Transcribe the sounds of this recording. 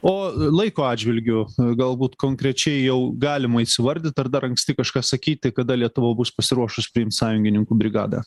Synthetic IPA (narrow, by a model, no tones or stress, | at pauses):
oːlˠɐɪkoːɑːdʲd͡ʒʲʋʲɪlʲɡʲʊɡɐlˠbuːt̪koːŋkɾʲɛt͡ʃʲɛɪjɛʊɡɑːlʲɪmɐisʲɪʋɐɾʲd̪ʲɪt̪ɐrd̪ɐɾɐŋksʲt̪ʲɪkɐʃkɑːsɐkʲiːt̪̚ʲɪkɐd̪ɐlʲiɛt̪ʊʋɐbʊspɐsʲɪɾuɔʃʊspʲɾʲɪɪmt̪sɑːjʊŋʲɡʲɪnʲɪŋkuːbʲɾʲɪɡɑ̰ːd̪ɑ̰